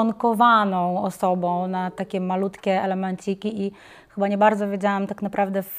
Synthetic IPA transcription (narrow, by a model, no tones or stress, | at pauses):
ɔŋkɔvanɔ̃w̃ɔsɔbɔ̃w̃nat̪akʲɛmalut̪kʲɛɛlɛmɛnt͡ɕikʲiʔi | xɘbaɲɛbaɾd̪zɔvʲjed͡ʑawamt̪aknapɾavd̪ɛf